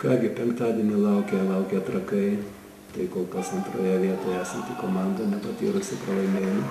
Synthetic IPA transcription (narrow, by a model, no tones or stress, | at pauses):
kɑːɡʲɪpʲɛŋkt̪aːd̪ʲiɛnʲɪlˠɐʊkʲɛlˠɐʊkʲɛt̪ɾɐkɐɪ | t̪ɐɪkoːlˠkɐsɐnt̪ɾoːjɛʋʲiɛt̪oːjɛsɐnt̪ʲikomaːnd̪onʲɛpɐt̪ʲḭːɾʊsʲɪpɾɐlˠɐɪmeːjɛnʊ